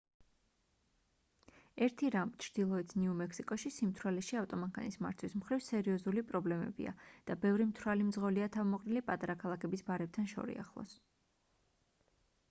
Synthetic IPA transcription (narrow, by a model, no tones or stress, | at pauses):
ɛɾt̪ʰiɾamt͡ʃʰɾd̪̥ilˠɔɛt̪sʰniumɛkʰsikʼɔʃisimt̪ʰɾalɛʃiaft̪ʼɔmaŋkʰa̰nisma̰ɾt̪ʰwismχɾivsɛɾiɔzulipʼɾɔblɛmɛ̰bḭa̰d̪̥abɛvɾimt̪ʰɾalimd̪zʁɔliat̪ʰavmɔqʼnilipʼat̪ʼaɾakʰalˠakʰɛbisbaɾɛp̚t̪ʰanʃɔ̰ɾḭa̰χlˠɔ̰s